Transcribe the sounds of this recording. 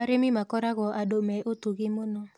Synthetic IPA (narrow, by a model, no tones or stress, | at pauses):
aɾemimakɔɾaɣɔʔadomɛʔotuɣimono